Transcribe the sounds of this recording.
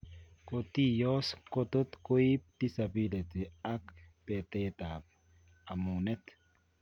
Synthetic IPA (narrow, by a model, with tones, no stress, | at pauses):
ko˨t̪i˦jo˦sko˦t̪o˦t̪ko˦i˦p̚d̪̥i˦sa˨bi˦le˨t̪i˨a˦kpe˨t̪et̪a˨p | a˨mu˨ne˦t̪